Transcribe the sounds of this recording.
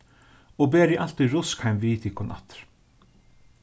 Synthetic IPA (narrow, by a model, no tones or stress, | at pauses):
ɔbɛːɾjɪʔal̥t̪iɾʊskhajmviːt̪ʰɪkʰɔnʔa̰t̪ɾ̥